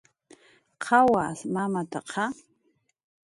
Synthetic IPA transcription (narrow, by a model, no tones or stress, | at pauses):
qʰawasmamatʰaqʰa